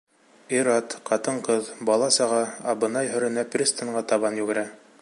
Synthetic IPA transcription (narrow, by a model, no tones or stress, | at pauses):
iɾɑt̪qɑt̪ɤɴqɤðbɑlˠɑsɑʁɑɑbɤ̆nɑjɦɵ̆ɾɘ̆næprʲist̪ə̆ɴɢɑt̪ɑβɑnjʉɡɘ̆ɾæ